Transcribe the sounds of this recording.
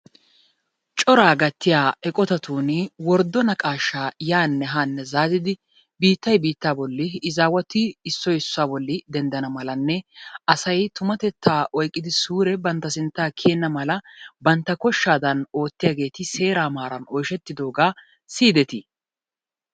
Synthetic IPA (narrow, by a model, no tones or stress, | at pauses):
t͡ʃʼɔɾaːɡɐt̪ːɪjaːɛkʼɔt̪ɐt̪uːnɪwɔɾd̪ːɔnɐkʼaːʃːaːjaːnːɛɦanːɛzaːzɪd̪ɪ | biːt̪ːɐjbiːt̪ːaːbɔlːɪːzaːwɐt̪ːɪːsːɔjɪsːʊaːbɔlːɪd̪ɛnd̪ɐnɐmɐlɐnːɛɐsɐjt̪ʊmɐt̪ɛt̪ːaːʔɔjkʼːɪd̪ɪsuːɾɛbɐnt̪ːɐsɪnt̪ːaːkʰeːnːɐmɐlɐbɐnt̪ːɐkɔʃːaːd̪ɐno̞ːt̪ːɪjaːɡe̞ːt̪ɪse̞ːɾaːmaːɾɐnɔjʃɛt̪ːɪd̪o̞ːɡaː | siːd̪ɛt̪ɪ